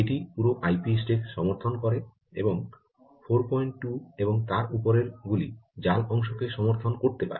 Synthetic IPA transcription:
eʈipuɾoʔajpisʈeɾʃɔmoɾt̪ʰonkɔɾe | ḛboŋ | fʰoɾpɔjɳʈʈueboŋt̪aɾupoɾeɾɡulid͡ʑalɔŋʃokeʃɔmoɾt̪ʰonkoɾt̪epa̰ɾe

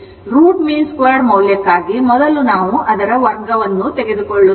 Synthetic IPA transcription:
ɾuːʈmiːnskʋaːɖmɐwljɐkːaːɡimɔd̪ɐlunaːʋuʔɐd̪ɐɾɐʋɐɾɡɐʋɐnːut̪eɡe̞d̪ukoɭːu

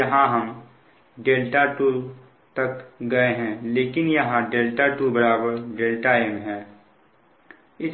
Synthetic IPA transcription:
jɐɦãɦɐm | ɖeːlʈaʈuː | t̪ɐkɡɐeɦɛ̃leːkɪnjɐɦãɖeːlʈaʈuːbɐɾaːbəɾɖeːlʈaemɦɛ̃ː | ɪs

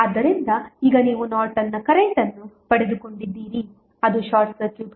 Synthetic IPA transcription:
ɐd̪ɐɾind̪ɐiːɡɐniːʋunaːɾʈɐnːɐkɐɾɛɳʈɐnːupɐɽed̪uko̞ɳɖid̪ːiːɾi | ɐd̪uʃaːɾʈsɐt͡ʃːu

